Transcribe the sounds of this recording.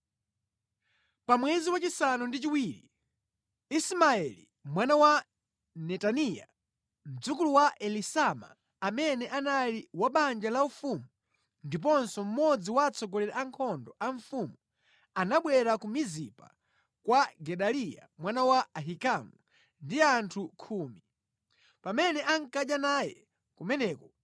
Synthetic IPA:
pamwɛziwat͡ʃisanundit͡ʃiwiːɾḭ | ismaɛlḭ | mwanawa | nɛtanija̰ | m̩d͡zukuluwaʔɛlisama̰ː | mɛnɛʔanaliwaɓand͡ʒalaufumu | ndip̬ɔnsɔm̩mɔd͡ziwaːt͡sɔɡɔlɛɾɛʔaŋkʰɔndɔʔaɱfumu | anaɓwɛɾakumizipa̰ | kwaɡɛɗalija̰mwanawaaɦikamu | ndiantʰukʰuːmi | pamɛnɛʔaŋkaɗanajɛ | kumɛnɛːkɔ

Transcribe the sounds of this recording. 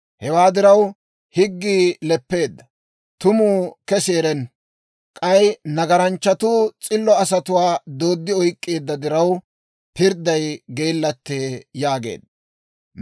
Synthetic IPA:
hɛwaːd̪ɪɾɐw | hɪɡːiːlɛpːe̞ːd̪ːɐ | t̪ʊmuːkɛseːɾɛn | kʼɐjnɐɡɐɾɐnt͡ʃːɐt̪uːt͡sʼɪlːɔɐsɐt̪ʊwaːd̪o̞ːd̪ːɪɔjkʼːeːd̪ːɐd̪ɪɾɐw | pɪɾd̪ɐjɡe̞ːlːɐt̪ːeːjaːɡḛːd̪ːɐ

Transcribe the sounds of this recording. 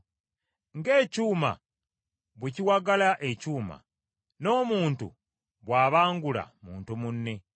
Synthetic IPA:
ŋɡe̞ːcuːma̰ | βweciwaɡalaʔecuːma̰ | no̞ːmuːntṵ | βwaːβaːŋɡula̰muːntumunːe̞

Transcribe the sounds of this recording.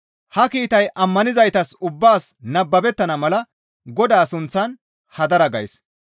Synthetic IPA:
hɐkiːt̪ɐjʔɐmːɐnɪzɐjt̪ɐsʊbːaːsnɐbːɐbɛt̪ːɐnɐmɐlɐ | ɡɔd̪aːsʊnt͡sːɐn | hɐd̪ɐɾɐɡɐjs

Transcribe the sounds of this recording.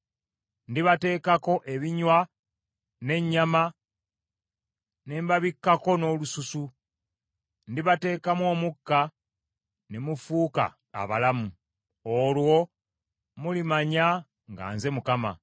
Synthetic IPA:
ndiβate̞ːkako̞ʔe̞βiɲwa | ne̞ɲːama | ne̞mbaβikːako̞no̞lususu | ndiβate̞ːkamwo̞ːmukːa | nemufuka̰ː | βalamu | olwo̞ | mulimaɲa | ŋɡa̰ːnze̞mukama̰

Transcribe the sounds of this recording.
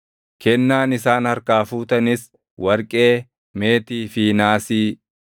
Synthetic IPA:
kɛnːaːnɪsaːnhɐɾkaːfuːt̪ɐnɪs | wɐɾkʼe̞ː | me̞ːt̪iːfiːnaːsiː

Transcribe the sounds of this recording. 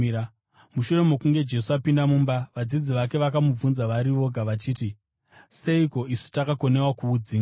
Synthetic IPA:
muʃure̞mokuŋɡe̞d͡ʒe̞suapindamumbaʋad͡zid͡ziʋake̞ʋakamub͡vunzaʋaɾiʋo̞ɡʱaʋat͡ʃiːti | se̞iko̞ʔisu̥takako̞ne̞wakuːd͡ziːŋa

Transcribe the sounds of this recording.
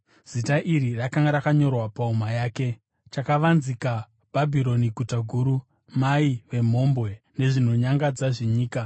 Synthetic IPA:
z̥itaʔirirakaŋɡaɾakaɲo̞rwapaumajaːke̞ | t͡ʃakaʋanzika | b̥ʱabʱiɾo̞niɡʱutaɡʱuːɾu | maiʋe̞m̤o̞mbwe̞ne̞ʐin̤oɲaŋɡad͡zaʐeɲiːka

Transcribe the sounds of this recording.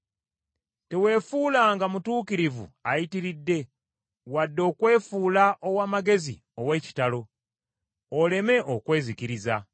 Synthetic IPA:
te̞we̞ːfuːlaːŋɡamutuːkiɾivṵajitiɾidːe̞ | wadːo̞ːkwe̞ːfuːlaʔowaːmaɡe̞zḭ | o̞we̞ːci̥talo̞ | ole̞me̞ʔokwe̞ːziciɾiza

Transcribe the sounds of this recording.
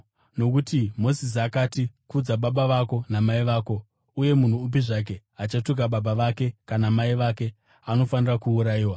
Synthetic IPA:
no̞k̬utimo̞sis̬iakatikud͡zaɓaɓaʋako̞namaiʋaːko̞ | uje̞mun̤uːp̬iʐak̬e̞ | at͡ʃatuk̬aɓaɓaʋake̞kanamaiʋake̞ | ano̞fanirakuːɾaiːwa

